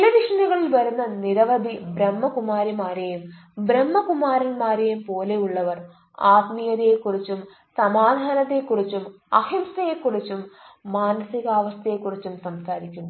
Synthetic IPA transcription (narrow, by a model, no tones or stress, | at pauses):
ɭɐʋiʂɐnɐɣɐɭilʋɐɾunːɐniɾɐʋɐd̪ʱibɾemːɐkumaːɾimaːɾejum | bɾemːɐkumaːɾɐnmaːɾejumpo̞ːle̞juɭːɐʋɐr | aːt̪mijɐðijekːurit͡ɕːum | sɐmaːd̪ʱaːnɐt̪ːe̞kːurit͡ɕːum | ɐhimsɐjekːurit͡ɕːumːaːnɐsiɣɐaːʋɐst̪ʰɐjekːurit͡ɕːumsɐmsaːɾikʲːunː